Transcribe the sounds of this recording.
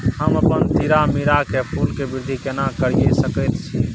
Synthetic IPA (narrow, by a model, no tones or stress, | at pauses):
həməpənt̪iɾamiɾakepʰulkebɪɾd̪ʱikenakəɾijesəkət̪t͡ʃʰi